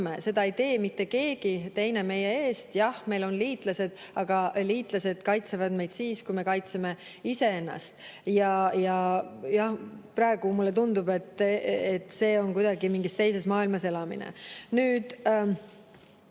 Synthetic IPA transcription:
mese̞d̪̥ɑejt̪e̞ːmit̪ːe̞ke̞ːɡ̥it̪e̞jne̞me̞je̞e̞ːst̪jɑhme̞jlo̞nliːt̪ˑlɑse̞d̪̥ɑɡ̥ɑliːt̪ˑlɑse̞d̪̥kɑjt̪sevɑd̪me̞jd̪̥siːskujme̞kɑjt̪se̞me̞ | ise̞enːɑ̰st̪jɑjɑjɑhpɾɑe̞ɡ̥umulːe̞t̪̬und̪ub̥e̞t̪ːet̪se̞ːo̞nkujd̪ɑɡimiŋɡist̪e̞jse̞smɑːilmɑse̞lɑmḭnḛnyːd̪̥

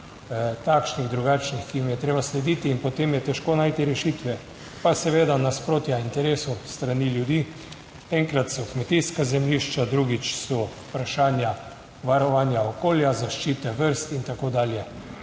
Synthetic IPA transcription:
t̪akʃniɣd̪ɾuɡaːt͡ʃnixkiimjɛt̪ɾeːbaslɛd̪it̪iːnpɔt̪eːmjɛt̪ɛʃkoːnaːjt̪iɾɛʃiːt̪ʋɛ | pasɛʋeːd̪anaspɾoːt̪jaint̪ɛɾeːsust̪ɾaniljud̪iː | ɛŋkɾat̪sɔkmɛt̪iːskazɛmliʃt͡ʃad̪ɾuɡit͡ʃsɔ | pɾaʃaːnja | ʋaɾɔʋaːnjaokoːljazaʃt͡ʃiːt̪ɛʋəɾst̪int̪akoːd̪aːljɛ

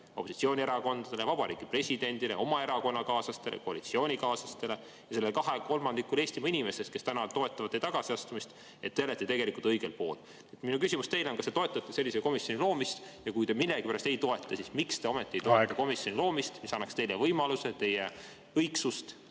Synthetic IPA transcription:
oposit̪sio̞ːnʲieɾɑko̞nd̪̥ɑd̪̥e̞le̞vɑb̥ɑɾḭːɡ̥ipre̞sʲid̪̥e̞nd̪̥ile̞̰o̞mɑe̞ɾɑko̞nːɑkɑːsɑst̪e̞lḛko̞ɑlit̪sio̞ːnʲikɑːsɑst̪e̞le̞ | jɑse̞lːelkɑɦe̞ko̞lmɑnd̪̥ikːˑule̞ːsʲt̪imɑinʲime̞ses̚kest̪ænɑt̪o̞e̞t̪ːˑɑvɑt̪ːejt̪ɑɡ̥ɑsiɑst̪umist̪ | e̞t̪ːeelet̪ːˑet̪e̞ɡe̞likˑult̪ɤjɡ̥e̞lpo̞ːl | nːet̪minukysʲimust̪e̞jlenkɑset̪o̞e̞t̪ːˑɑt̪ːˑese̞lːiseko̞misjo̞nilo̞ːmist̪jɑkujt̪e̞milːeɡipæɾɑst̪e̞jt̪o̞e̞t̪ːˑɑsismikst̪e̞o̞met̪ːˑiejt̪oet̪ːɑko̞misjo̞nʲilo̞ːmist̪misɑnːɑkst̪e̞jlevɤjmɑluse̞t̪e̞je | ɤjksust̪

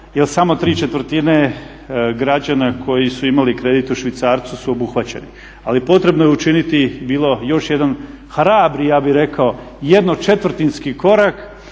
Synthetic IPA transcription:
jelsamo̞t̪ɾiːt͡ʃe̞t̪ʋɾ̩t̪ine | ɡɾad͡ʑanakʰo̞jisuimalikɾe̞d̪it̪uʃʋit̪saːɾt̪susuobuxʋat͡ɕe̞̰ni | alipo̞t̪ɾebnojeut͡ʃinit̪ibiːlˠo̞jo̞ʃje̞d̪an | xɾaːbɾijaːbiɾe̞kao̞ | je̞d̪not͡ʃe̞t̪ʋr̩t̪inskiko̞ɾak

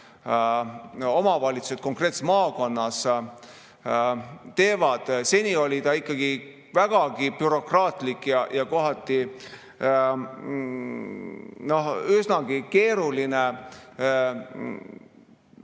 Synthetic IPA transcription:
o̞mɑvɑlʲit̪su̥set̪̚ko̞ŋkre̞ːt̪se̥mɑːko̞nːɑs | t̪e̞ːvɑd̪̥se̞nʲio̞lʲit̪ɑikːˑɑɡ̥i | væɡ̥ɑɡipyɾo̞krɑːt̪likːjɑjɑko̞ɦɑt̪ːˑi | no̞hysnɑɡ̥ike̞ːɾuline

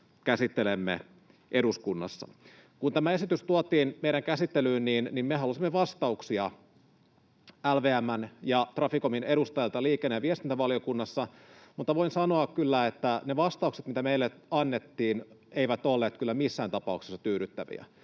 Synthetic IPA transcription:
kæsit̪ːelemːḛ | ʔe̞duskunːɑ̰sːɑ̰ | kunt̪æmæe̞sit̪yst̪uot̪iːnmeijɾæŋkæsit̪ːelyːnniːnnimmeɦɑlusimːeʋɑst̪ɑuksiɑ | ælʋeːæmːænjɑt̪rɑfikominedust̪ɑjɑlt̪ɑliːkenːeʋiest̪int̪æʋɑlijo̞kunːɑsːɑmut̪ːɑʋo̞insɑnoɑkkylːæet̪ːæneʋɑst̪ɑukset̪mit̪æmeilːeɑnːet̪ːiːneijʋæt̪olːeːt̪kylːæmisːæːnt̪ɑpɑukse̥sːɑ̥t̪yːɾyt̪ːæʋḭæ̰

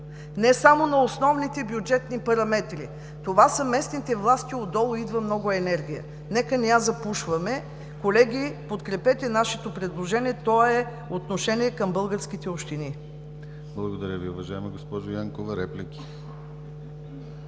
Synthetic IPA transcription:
nɛsamonɐosnɔvnit̪ɛbjud͡ʒɛt̪nipɐɾɐmɛt̪ɾi | t̪ovasəmɛsnit̪ɛvlˠast̪ʲiod̪d̪ɔlˠʊid̪vəmnɔɡʊɛnɛɾɡ̟ʲijə̰ | nɛkənɛjazɐpuʃvɐmɛ | kolɛɡʲipot̪kɾɛpɛt̪ɛnaʃɛt̪opɾɛd̪lˠoʒɛniɛt̪ɔɛ | ot̪noʃɛniɛkɐmbɤlˠɡəɾsk̟it̪ɛopʃt̪ini | blˠɐɡod̪ɐɾʲəviʊvɐʒaɛmɐɡospɔʒojaŋkovəɾɛplikʲi̥

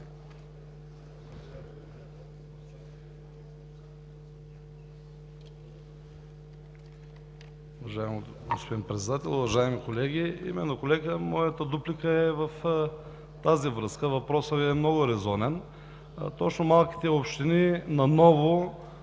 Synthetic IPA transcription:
uvɐʒaɛm | ɡospod̪inpɾɛt̪sɛd̪at̪ɛlˠʊvɐʒaɛmikolɛɡʲiḭmɛnːokolɛɡəmɔjət̪əd̪uplikəɛvɐf | t̪azivɾɤskəvɐpɾɔsəvɛmnɔɡʊɾɛzɔnɛn | t̪ɔt͡ʃnomalˠkʲi̥t̪ɛopʃt̪ininɐnɔvʊ

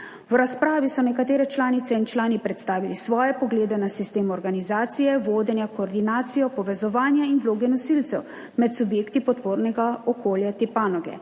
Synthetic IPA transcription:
wɾaspɾaːʋisɔnɛkat̪eːɾɛt͡ʃlaːnit̪sɛint͡ʃlaːnipɾɛt̪st̪aːʋilisʋɔːjɛpɔɡleːd̪ɛnasist̪eːmɔɾɡanizaːt̪sijɛʋoːd̪ɛnjakɔːɾd̪inaːt̪sijɔpɔʋɛzɔʋaːnjainʋloːɡɛnɔsilt̪sɛw | mɛt̪subjeːkt̪ipɔt̪poːɾnɛɡaɔkoːljat̪ipaːnɔɡɛ̰

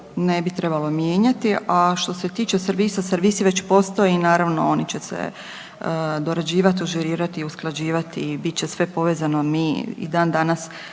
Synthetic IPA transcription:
nebit̪ɾe̞balˠo̞mjeːɲat̪iʔaʃt̪o̞se̞t̪iːt͡ʃe̞sɾʋiːsaseɾʋiːsiʋe̞t͡ɕpo̞st̪ojeinaːɾaʋnoo̞nit͡ɕe̞sḛ | d̪oɾad͡ʑiːʋat̪iuʒeɾiːɾat̪iusklˠad͡ʑiːʋat̪ibit̪̚t͡ɕesʋe̞po̞ʋeːzanomiḭd̪aːnd̪anas

